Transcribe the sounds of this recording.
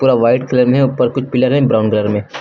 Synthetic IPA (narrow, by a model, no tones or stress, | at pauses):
puːɾaʋaːɪʈkʰɪləɾmɦɛ̃pəɾkʊt͡ʃʰpɪləɾɦẽbɾaːʊnɡɪləɾmẽː